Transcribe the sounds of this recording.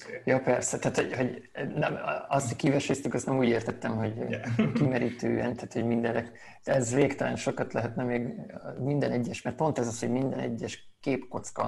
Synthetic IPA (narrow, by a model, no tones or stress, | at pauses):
jɒpɛrsɛt̪aːt̪hoho̞ɟnɛmɒst̪hocʲkivɛʃest̪ykɒst̪nɛmuːɟeːrt̪ɛt̪ːɛmɦo̞ɟkimɛɾiːt̪ø̰ːjɛ̰nt̪aːt̪ho̞ɟmind̪ɛlːɛk | ɛzveːkt̪ɛlɛnʃo̞kɒt̪lɛɦɛt̪nɛmeːɡmind̪ɛnɛɟːɛʃmɛrt̪po̞nt̪ɛzɒsho̞ɟmind̪ɛnɛ̰ɟːɛʃ | keːpko̞t̪skɒ̰